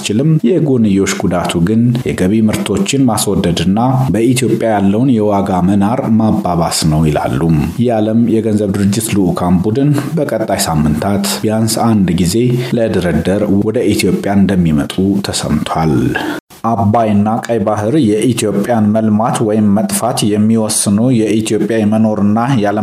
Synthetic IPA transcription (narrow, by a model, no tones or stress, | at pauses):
t͡ʃɪlɨmjɛɡonɨjo̞t͡ʃːɡud̪at̪ʰuɡɨnjɛɡəβimɨɾt̪ʰo̞t͡ʃːɪnmaswɔd̪ːəd̪ɨnːabəʔit̪ʰijo̞pʼːjajalːəwnjɛwaɡamənaɾmabːaβasnəwjɪla̰lːumjaləmjɛɡənzəβd̪ɨɾɨd͡ʒːɪt̪luʔkʰanbud̪ɨnbəkʼət̪ʼːajsamːɨnt̪ʰat̪jansand̪ɡize̞ləd̪əɾəd̪əɾwɔd̪əʔit̪ʰijo̞pʼjaɨnd̪əmːimət̪ʼut̪ʰəsə̰mt̪ʰwal | ʔabːajɨnːakʼəjbahɨɾjɛʔit̪ʰjo̞pʼjanməlmat̪wɔjɪmːət̪ʼfat̪jɛmːiwɔsːɨnəwjɛʔit̪ʰijo̞pʼːjajɛməno̞ɾɨnːajalə